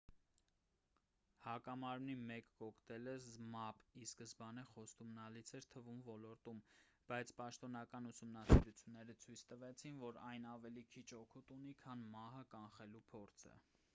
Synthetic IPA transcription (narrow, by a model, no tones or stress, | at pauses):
hɑkɑmɑɾmnimɛkːɔkʰt̪ɛləzmɑpiskəzbɑnɛχɔst̪umnɑlit͡sʰɛɾt̪ʰəvumvɔlɔɾt̪um | b̥ɑjt͡sʰpɑʃt̪ɔn̪ɑkɑnusumnɑsḭɾut͡sʰjunːɛɾət͡sʰujt͡sʰt̪əvɛt͡sʰinvɔɾɑjnɑvɛlikʰit͡ʃʰɔkʰut̪unikʰɑnmɑɦəkɑnχɛlupʰɔɾt͡sʰə̰